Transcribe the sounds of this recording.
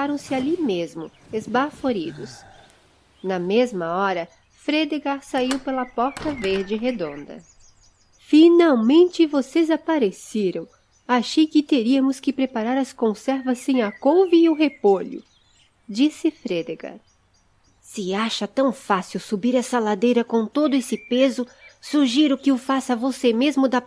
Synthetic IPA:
aɾɐ̃w̃sɪalimezmʊezbafoɾid̪ʊs | nɐmezmɐɔɾɐ | fɾed̪eɡaɾsaiwpelɐpɔɾt̪ɐveɾd͡ʒɪɦed̪õnd̪ɐ̰ | finawmẽnt͡ʃɪvosezapaɾeseɾɐ̃w̃ | aʃejkɪt̪eɾiɐmʊskɪpɾepaɾaɾɐskõsɛɾvɐsẽj̃ɐkowviːʊɦepoʎʊ̰ | d͡ʒisɪfɾed̪eɡa̰ɾ | sɪaʃɐt̪ɐ̃w̃fasiwsubiɾɛsɐlad̪ejɾɐkõt̪od̪ʊesɪpezʊsuʒiɾʊkɪʊfasɐvosemezmʊd̪ɐ

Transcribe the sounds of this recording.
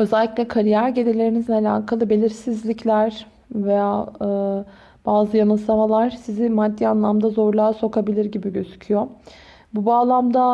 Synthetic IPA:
ø̞zɛlʲːiclʲɛkʰaɾijæɾɟelelʲe̞ɾinizinalʲa̰ːkʰalˠɯbe̞lʲiɾsizlʲicʰlʲæɾ̥ | vejaːɯ | b̥aːzɯjanɯsamalˠaɾ̥sizɪmad̪ːianlˠamd̪azo̞ɾlˠaːso̞kʰabilʲiɾɟibiɟøzy̥cʰyjo | bubaːlˠamd̪a

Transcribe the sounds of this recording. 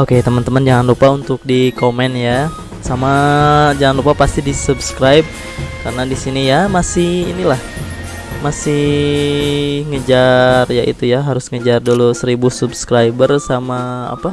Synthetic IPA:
oket̪əmənt̪əmənd͡ʒaŋanlupaunt̪ʊk̚dikomɛnja | samad͡ʒaŋanlupapast̪idisubskɾajb̚ | kaɾənadisinijamasɪhinilah | masɪh | ŋəd͡ʒarjaʔḭt̪ujaɦaɾʊsŋəd͡ʒardolusəɾibusubskɾajbərsamaa̰pa

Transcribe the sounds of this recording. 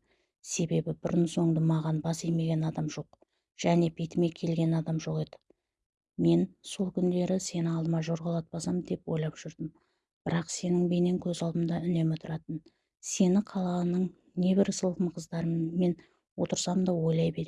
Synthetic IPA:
se̞be̞bɪbɪɾɪnso̞ɴd̪əmɑʁɑnbɑsejme̞ɡʲe̞nɑd̪ɑmʒo̞q̚ | ʒ̥æne̞bʰe̞t̪ɪme̞kʲʰe̞lɡʲe̞nɑd̪ɑmʒo̞qe̞d̪ɪ̥ | me̞nso̞lˠkʲʰʏnd̪e̞ɾɪse̞nɪɑlˠd̪əmɑʒo̞ɾʁɑlˠɑt̪̚bɑsɑmd̪e̞pwo̞jlˠɑpʒ̥ʏɾd̪əm | b̥ɪɾɑqse̞nɪŋbe̞ne̞ŋkʲʰɵzɑlˠb̪əmd̪ɑʏne̞mɪt̪ʰʊɾɑt̪ən | se̞nɪqʰɑlˠɑnəɴ | ne̞bɪɾsəlˠqəmqʰəzd̪ɑɾəmme̞n | wo̞t̪əɾsɑmd̪ɑwo̞jlˠɑjbe̞ɾe

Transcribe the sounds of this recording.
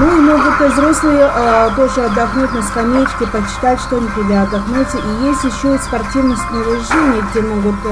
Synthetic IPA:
nuimoɡʊt̪zɾoslˠɨjəp̪oʐəɐd̪ːɐxnutʲnaskɐmʲetʲkʲɪpɐt͡ɕɪ̥t̪atʲʃt̪onʲəkʲɪdʲaɐd̪ɐxnut͡sʲəʔijesʲtʲjɪɕːospɐrtʲivnəsʲt̪ʲnəvɪʒenʲɪjəɡdʲemoɡʊt̪

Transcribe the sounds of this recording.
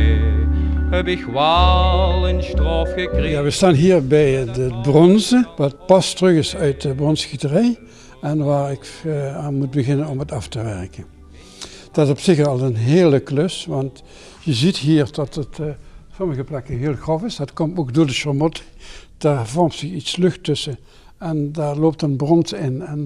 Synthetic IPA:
hɛbɪkʋalˠənstroːfxəkrejaːʋəstaːnɦiːɹbɛjdəət̚brɔnzəʋɑt̚pɑstrɵɣɪsœɥt̚dəbrɔnsxitərɛj | ɛnʋaːɹɪkaːnmut̚bəɣɪnənɔmətɑftəʋɛɹkən | d̥ɑtɪsɔpsɪxɑlˠənɦeːləkløsʋɑnt | jəzitɦiːɹdɑtətsɔməɣəplɛkəɦɪːlˠxrɔfɪsdɑtkɔmtoːɡdoːɹdəʃɔɹmɔtd̥aːɹvɔɹmtsɪxitslɵxtɵsə | ɛndaːɹloːp̚tənbrɔntɪnɛn

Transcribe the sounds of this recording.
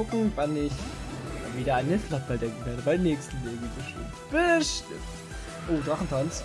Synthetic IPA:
ʊkŋ̩vanɪçaviːɾɐaɪnhɪslat̚b̥aldɛŋkŋ̩veɐdəbaɪmnɛːçstn̩leːɡŋ̩b̥əʃtɪ̰mtb̥əʃtɪ̰mt | ʔoːdʁaχn̩tʰant͡s

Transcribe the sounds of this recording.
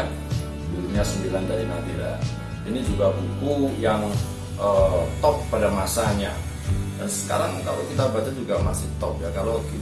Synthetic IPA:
duuɲiɲasəmbilandaɾinatiɾa̰ | inid͡ʒuɡabukujaŋ | ʔət̪ɔpːadamasaɲa̰ | dansə̥ka̰ɾaŋkalokit̪abat̪ad͡ʒuɡamasɪht̪ɔp̚jakaloki

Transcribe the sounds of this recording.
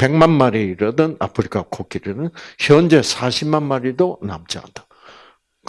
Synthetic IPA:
pe̞ŋmanmaɾeiɾʌdɯna̰pʰɯɾikʰakʰokʰiɾɯnɯnçjʌnd͡ʑe̞sʰaɕʰimanmaɾidona̰mt͡ɕia̰nd̥̪a | k

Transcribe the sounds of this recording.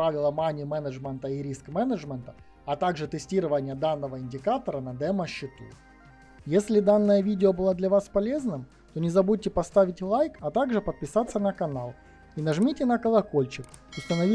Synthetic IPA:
avʲɪlˠəmanʲɪmɛnəʐmʲɛnt̪əiɾʲiskmɛnəʐmʲənt̪ə | ɐt̪aɡʐɨt̪ɨsʲtʲiɾɨvənʲɪjəd̪anːəvəɪnʲdʲɪkat̪əɾənɐd̪ɛməɕːɪt̪ṵ | jesʲlʲɪd̪anːəjəvʲidʲɪobɨlˠad̪lʲɐvaspɐlʲeznɨm | t̪o̞nʲɪzɐbud̚ʲtʲɪpɐst̪avʲɪtʲlˠajkɐt̪aɡʐɨpət̪̚pʲɪsat̪sːənɐkɐnalˠ | inɐʐmʲitʲɪnɐkəlˠɐko̞lʲt͡ɕɪk | ʊst̪ənɐvʲi

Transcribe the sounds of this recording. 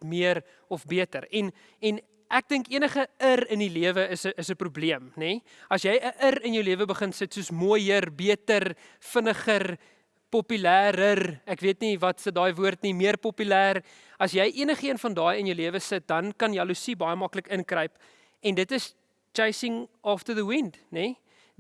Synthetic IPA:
miəɾ | ɔfbiətəɾɛn | ɛn | ʔæk̚dəŋkiənəχəərəniliəvəəsəːsəpɾubliəmnɛ | ɐsjɛjəʔərənjəwliəvəbəχənsətsuəsmoəjərbiətər | fənəχər | popylæːɾərækviətnivɐtsədɑːjvuərtnimiərpɔpylæːr | ɐsjɛjʔiənəχiənfɐndɑːjənjəwliəvəsət̚dɐnkɐnjɐlusibɐjəmɐkləkənkrəjp | ɛndətəs | t͡ʃɐjsiŋɑːftəðəwindne

